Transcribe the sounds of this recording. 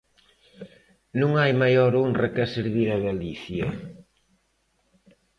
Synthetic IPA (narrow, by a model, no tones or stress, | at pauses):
nũŋajmajoɾonrrakaseɾβiɾaɣaliθjɐ